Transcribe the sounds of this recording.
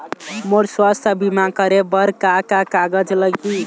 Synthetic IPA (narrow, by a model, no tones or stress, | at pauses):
moɾswast̪ʰəbimakʌɾebʌɾkakakaɡəd͡ʒləɡi